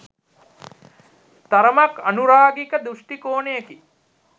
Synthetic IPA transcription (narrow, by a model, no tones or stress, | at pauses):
t̪aɾəmakɐnuɾaːɡikəd̪uʂʈikoːnejeki